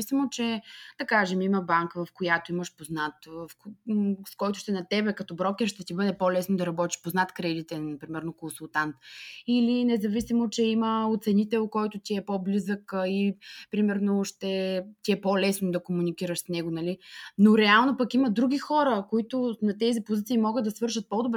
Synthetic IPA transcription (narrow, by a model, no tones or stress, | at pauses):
isimot͡ʃɛd̪ɐkaʒɛmiməbaŋkəvɐfkojat̪oiməʃpoznat̪vf | skɔjt̪ʊʃt̪ɛnɐt̪ɛbɛkɐt̪ɔbɾɔkʲɛɾʃt̪ɛt̪ibɤd̪ɛpɔlɛsnod̪ɐɾɐbɔt̪i̥ʃpoznat̪kɾɛd̪it̪ɛnnɐpɾimɛɾnokõnsulˠt̪ant̪ilinɛzɐvisimot͡ʃɛiməot̪sɛnit̪ɛlkɔjt̪ʊt̪ʲiɛpoblizəkipɾimɛɾnoʃt̪ɛt̪ʲiɛpolɛsnod̪ɐkomunikiɾəʃsnɛɡonɐlinoɾɛalˠnopɐkiməd̪ɾuɡʲixɔɾəkoit̪ʊnɐt̪ɛzipʊzit̪siːmɔɡəd̪d̪ɐsvɤɾʃət̪̚pɔd̪obɾ